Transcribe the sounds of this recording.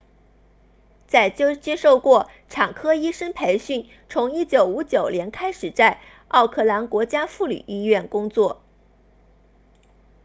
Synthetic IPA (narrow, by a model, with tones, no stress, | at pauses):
t͡sa˥˩ɪt͡ɕt͡ɕjɛ˥ʂo˥˧ʊkwɔ˥˩ | ʈ͡ʂʰɑ˨˩ŋkʰɤ˥i˥ʂə˥npʰe˧˥ɪɕy˥˩n | t͡sʰʊ˧˥ŋi˥˩t͡ɕjo˨˩ʊu˧˥t͡ɕjo˨˩ʊljɛ˧˥nkʰa˥ɪʂɻ̩˨˩t͡sa˥˧ɪ | ɑ˥˧ʊkʰɤ˥˩la˧˥nkwɔ˧˥t͡ɕja˥fu˥˩ly̰˨˩y˥ɥɛ˥˩nkʊ˥ŋt͡swɔ˥˩